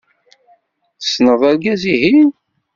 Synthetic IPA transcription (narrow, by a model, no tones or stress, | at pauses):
θə̥snəðˤælɡæzihi